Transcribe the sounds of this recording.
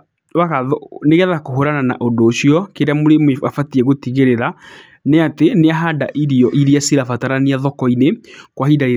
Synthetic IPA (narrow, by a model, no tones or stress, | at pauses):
waɣaɔneɣɛðakoɦoɾanana̰ʔodoːɕjɔkeɾeamoɾemeafatiɛɣotiɣeɾeɾa | neateneaɦada̰ʔiɾijɔʔiɾiasiɾafataɾaniaðɔkɔinekwahidaɾe